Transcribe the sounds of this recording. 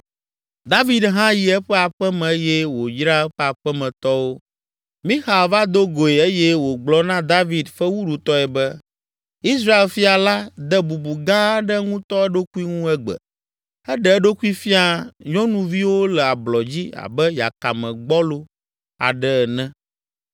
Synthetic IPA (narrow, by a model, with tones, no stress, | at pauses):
d̪a˦vi˨d̪ɦã˦ji˨ɛ˦ɸɛ˦a˨ɸɛ˦mɛ̃˨˦jɛ˦wo˨jɾa˦ɛ˦ɸɛ˦a˨ɸɛ˦mɛ̃˨t̪ɔ˦wo˦ | mĩ˦xa˨va˦d̪o˦ɡo˨e˨e˦jɛ˦wo˨ɡ͡blɔ˦nã˦d̪a˦vi˨d̪fɛ˦wu˦ɖu˨t̪ɔ˦ɛ˨bɛ˦ | i˦sɾa˦e˨lfi˦a˨la˦d̪ɛ˦bu˨bu˨ɡã˦ɖɛ˦ŋũ˦t̪ɔ˦ɛ˦ɖo˦ku˦i˦ŋũ˦ɛ˦ɡ͡bɛ̰˨ | ɛ˦ɖɛ˦ɛ˦ɖo˦ku˦i˦fi˦a˨ɲɔ̃˦nũ˨vi˦wo˦lɛ˨a˨blɔ˨d͡ʑi˦a̰˨bɛ˦ja̰˨ka̰˨mɛ̃˨ɡ͡bɔ˦lo˦ | a̰˨ɖɛ˦ɛ˨nɛ̃˦